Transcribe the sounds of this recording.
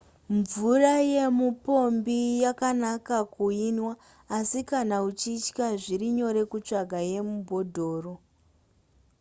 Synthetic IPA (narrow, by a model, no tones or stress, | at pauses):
ɱvuraje̞mupo̞mbijakanakakuinwaː | sikanaut͡ʃit͡ʃkaʐiɾiɲo̞ɾe̞kut͡ʂaɡʱaje̞mubʱo̞dʱo̞ːro̞